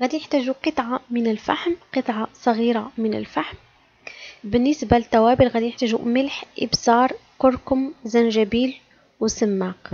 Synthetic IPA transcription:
ɣæːd̪ijəħt̪æːʒuqɨt̪ˤʕɑmənəlfa̰ħmqɨt̪ˤʕɑsˤɑɣiːɾamənə̰lfaħm | bənːəsbalət̪ːæwæbilɣæd̪ijħt̪æʒṵməlħʔɪ̰bsɑːɾˤkʊɾkʊmzænʒæbiːl | wsəmːaːq

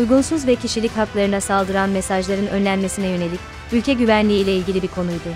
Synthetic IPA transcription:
ujɡunsuzvɛcʰiʃilʲicɦaklˠaɾɯnasalˠd̪ɯɾanmesaʒlˠaɾɯnø̞nlʲænme̞sinɛjø̞ne̞lʲic | ylʲcʰɛɟyvænlʲiːlʲɛilʲɟʲilʲibiɾkʰo̞nujd̪ʊ

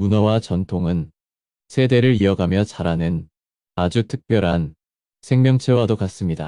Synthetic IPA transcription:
munʌwat͡ɕʌntʰoŋɯn | sʰe̞de̞ɾɯɾiʌɡamjʌt͡ɕaɾanɯn | ad͡ʑutʰɯk̚p͈jʌɾɦan | sʰe̞ŋmjʌŋt͡ɕʰeɭwadokas͈ɯmɲida

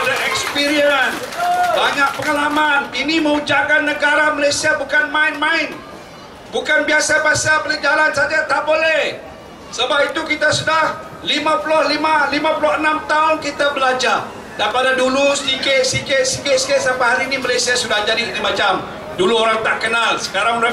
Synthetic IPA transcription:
adaɛkspiɾiənbaɲaʔpəŋəlamaninimə̃ud͡ʒakanːəɡaɾaməlajsiabukanmaɪnmaɪn | bukanbiasabiasapalɛd͡ʒalansad͡ʒat̪aʔbolɛh | səbapit̪ukit̪asudah | limãpulʊhlimalimãpulʊhənamt̪aʊnkit̪abəlad͡ʒar | daipadadulusdikɪʔsikɪʔsikɪʔsi̥kɪʔsapaɦaɾiːnimalajsiasudahd͡ʒadisəɾimat͡ʃam | duluoɾaŋt̪aʔkənalsə̥kaɾaŋɾa

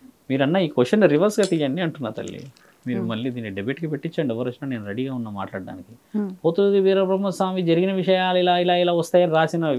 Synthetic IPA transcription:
miːɾɐnːaːiːkoʂɐnːuɾiʋɐɾsɡaːt̪ijaːnːiɐɳʈunːa̰ːt̪ɐ̰lːḭ | miːɾumɐlːiːd̪iːnːiɖebeːʈkipeʈːit͡ʃːaːɳɖɛʋːɐɾɐsnaːneːnuɾeɽiːɡaːunːɐma̰ːʈlaːɽɖɖa̰ːniki | pot̪uud̪iʋiːɾɐbɾɐmːɐsʋaːmid͡ʒɐɾiɡinɐʋiʂɐjaːluilaːilaːilaːʋɐst̪aːjɐːniɾaːsinɐ

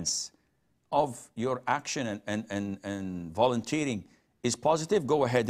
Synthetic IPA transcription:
ns | ʌvjə˞ækʃɨ̃nɨ̃nɨ̃nɨ̃nɨ̃nvɑlˠə̃ntʰiɾɪ̃ŋ | ɨz̥pʰɑzɨtɪvɡoʊəɦɛd

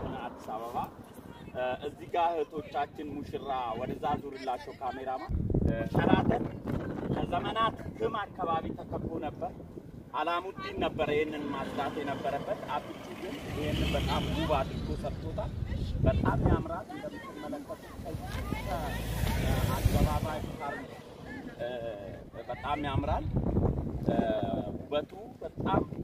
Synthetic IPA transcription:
ad̪ːisaβəβa | ʔɨzːiɡahɨt̪ʰo̞t͡ʃːat͡ʃːɪnmuʃɪɾawɔd̪əzːazuɾɨlːat͡ʃːɛwkʰameɾamahɨɾat̪ʰənkʰəzəmənat̪hɨmakːaβaβit̪ʰəkʰəbonəbːəɾ | ʔalamund̪inːəbːəɾəjɛnːɨnmasd̪at̪jɛnəbːəɾəbːət̪abɨt͡ʃ̪ːiɡɨnʔɪhenːɨnbət̪ʼamɡuβat̪ɨt̪ʰosəbt̪ʰʼot̪ʰalbət̪ʼamːjamɾalɨnd̪əmːɨt̪ːɨmːələkːət̪ʼukʰəkʰə | asɡ̪əβaβajkʼaɾ | bət̪ʼamːijamɾal | ubət̪ʰubət̪ʼːam

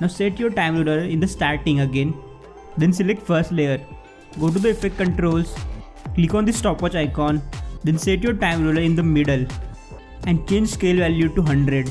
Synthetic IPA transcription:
naʊseʈjoːɾʈãɪ̃mɾoːləɾɪ̃nd̪əsʈaːɾʈɪ̃ŋəɡẽn | d̪ẽnsɪlek̚ʈfəɾsʈleːjəɾ | ɡoːʈ̬ud̪əɪfek̚ʈkə̃ɳʈɾoːls | klikɔ̃ːnd̪isʈɔːpʋɔt͡ʃaɪkɔ̃ːnd̪ẽnseʈjoːɾʈãɪ̃mɾoːləɾɪ̃nd̪əmɪɖəl | ɛ̃ɳɖt͡ʃẽːɲd͡ʒskeːlʋæljuʈuɦɐ̃ɳɖɾeɖ

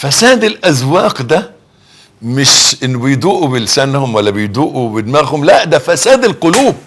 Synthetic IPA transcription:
fæsæːd̪ɪlʔæzwɑːqd̪æ | mɪʃʔɪnːbɪjd̪uːʔubɪlsænhʊmwælːæbɪjd̪uːʔubɪd̪mæɾhʊmlæʔd̪æfæsæːd̪ɪlqoluːb̚

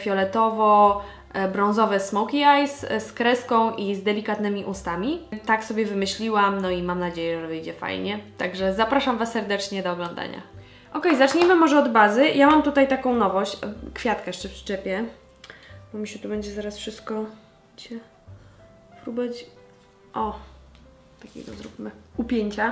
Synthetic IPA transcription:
fʲjɔlɛt̪ɔvɔ | bɾɔ̃w̃zɔvɛsːmɔwkʲiajsskɾɛskɔ̃w̃ʔizd̪ɛlʲikat̪nɘmʲiʔust̪amʲit̪aksɔbʲjɛvɘmɘɕlʲiwamnɔimamnad͡ʑejɛʐʐɛvɘjd͡ʑɛfa̰jɲɛt̪a̰ɡʐɛzapɾaʂamvasːɛɾd̪ɛt͡ʂɲɛd̪ɔːɡlɔ̃nd̪a̰ɲa̰ | ʔɔkɛjzat͡ʂɲɛmɘmɔʐɛɔd̪bazɘjamamt̪ut̪ajt̪akɔ̃w̃nɔvɔɕt͡ɕkfʲjat̪kɛjɛʂt͡ʂɛfʂt͡ʂɛpʲjɛ | bɔmʲiɕɛt̪ubɛɲd͡ʑɛzaɾasfʂɘst̪̚kɔ | t͡ɕɛ | pɾubɛt͡ɕ | ʔɔ | t̪akʲḛɡ̪ɔzɾupmɘupʲjeɲt͡ɕa

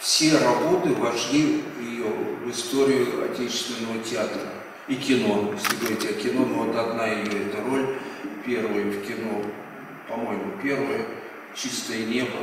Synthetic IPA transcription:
fsʲeɾɐbo̞t̪ɨvɐʂlʲivjɪjovɨst̪o̞ɾʲɪjʊɐ̰tʲet͡ɕɪ̥st̪vʲɪnːəvətʲɪat̪ɾə | ikʲɪno̞jesɾʲɪɡojt̪ʲɪakʲɪno̞novot̪ɐd̪naɪjoɛt̪əro̞lʲpʲe̞rvəjəfkʲɪno̞ | pɐmo̞jɪmʊpʲe̞rvəjə | t͡ɕist̪əjənʲe̞bə

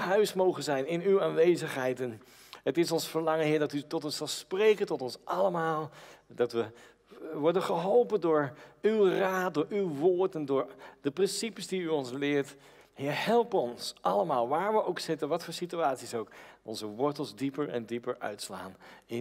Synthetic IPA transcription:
ɦœɥsmowχənzɛjnɪnywaːnʋejzəχɦɛjtɛn | ɦətɪsɔnsfəɹlɑŋənɦɪːɹdɑtytɔtɔnsɑlˠsprejkəntɔtɔnsʔɑləmaːlˠdɑtʋə | ʋɔɹdənχəɦɔlˠpəndʊːɹywraːt̚dʊːɹywʋʊːɹtɛndʊːɹd̥əprɪnsipəsdiyɔnslɪːɹt | ɦɪːɹhɛlˠpɔnsʔɑləmaːlˠʋaːɹʋəʔowksɪtənʋɑtfʊːɹsityaːtsisowkɔ̰nzəʋɔɹtəlˠzdipəɹɛ̰ndipəɹœ̰ɥtsla̰ːnɪ

